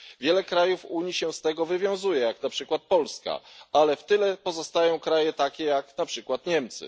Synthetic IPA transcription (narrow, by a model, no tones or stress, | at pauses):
vʲjɛlɛkɾajufuɲiɕɛst̪ɛɡɔvɘvʲjɔ̃w̃zujɛjaknapʂɘkwat̪̚pɔlska̰alɛft̪ɘlɛpɔzɔst̪ajɔ̃w̃kɾajɛt̪akʲɛjaknapʂɘkwat̪ɲɛmt̪sɘ̰